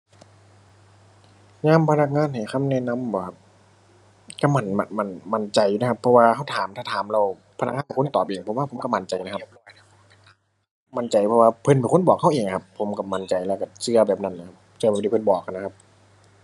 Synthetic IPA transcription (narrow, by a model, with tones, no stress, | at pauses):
ɲaː˧˥˨mpʰa˧na˧˥k̚ŋaː˧˥˨nha˨˩jxʰa˧˥˨mnɛ˧˥˨na˧˥˨mbɔː˨˩kʰa˧˩p̚ | ka˧˩ma˧˩nma˧˩ma˧˩nma˧˩nt͡ɕa˨˩jna˦kʰa˧˥pʰːɔ˧waː˧kʰa˧˥˩wt̪ʰaː˨˦mt̪ʰaː˧˩t̪ʰaː˨˦mla˧˨w | pʰa˧na˧˥kŋaː˧˨ka˨˩ko˧˥˨nt̪ɔː˨˩p̚ʔeː˨˩ŋpʰmwaː˧˥pʰo˨˦mka˧ma˧˩nt͡ɕa˨jna˧kʰa˧p̚ | ma˧˥nt͡ɕa˨˩jpʰɔ˧waː˧pʰɤ˧˨npa˨˩nkʰo˥˨nbɔː˨˩k̚ha˥˩wʔeː˨˩ŋkʰa˧pʰːo˨˦mka˧˩ma˧˩nt͡ɕa˨˩jlɛː˧˩˨ka˧˩t͡ɕɯ˧˩ɐbɛː˨˩p̚na˧˩˨nːa˧˦˧kʰa˧p̚t͡ɕɯ˧˩b̚ːdiː˧˩pʰːnbɔː˨˩k̚ʔa˧˨na˧kʰa˧p̚